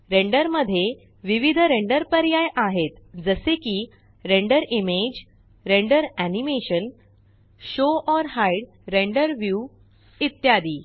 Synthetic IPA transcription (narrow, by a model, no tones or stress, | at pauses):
ɾẽɳɖəɾməd̪ʱːje | ʋiʋid̪ʱɾeɳɖəɾpəɾjajaɦet̪d͡zəsekiː | ɾẽɳɖəɾimed͡ʑ | ɾẽɳɖəɾænimeɕən | ɕoʔɔɾɦajɽ | ɾẽɳɖəɾʋju | it̪jad̪iː